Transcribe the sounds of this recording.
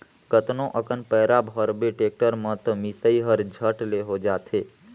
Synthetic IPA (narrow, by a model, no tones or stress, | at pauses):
kət̪nõʔəkənpəːɾabʱɦəɾbeʈeːk̚ʈəɾmə̃t̪əmisəiɦəɾd͡ʒʱəʈleɦod͡ʒaːt̪ʰe